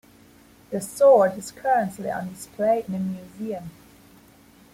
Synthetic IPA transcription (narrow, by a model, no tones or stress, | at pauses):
ðəsɔːdɪz̥kʰʌɹə̃nʔlḭʌ̰̃ndɪspʰleɪɪ̃nəmjʉːziə̃m